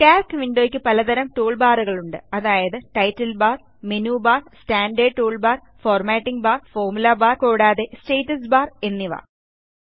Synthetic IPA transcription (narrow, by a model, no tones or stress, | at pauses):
kaːskʋiɳɖoːkʲːɨpɐlɐd̪ɐɾɐmʈuːɭbaːruɣɐɭuɳɖɨɐðaːjɐðɨʈɐjtːɐlbaːr | menuːbaːrstaːɳɖeːʈuːɭbaːr | foːrmaːʈːiŋɡbaːrfoːrmulɐbaːrkoːɽaːðe̞sʈeːtːɐsbaːre̞nːiʋa̰ː